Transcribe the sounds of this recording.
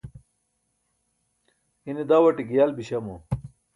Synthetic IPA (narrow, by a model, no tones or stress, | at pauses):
ined̪awɐʈiɡijalbiɕɐmo